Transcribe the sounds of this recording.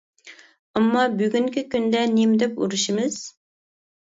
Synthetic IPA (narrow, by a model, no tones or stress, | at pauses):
ɑmːɑbyɡʲyŋkʲikʲynd̪ɛnimd̪ɛpṵɾuʃimɨz̥